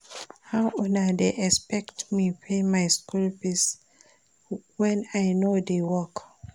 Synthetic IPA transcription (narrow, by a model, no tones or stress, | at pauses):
hawɔ̃nadeʔɛkspɛktmipʰemajskulpis | wɛ̃najnodewɔk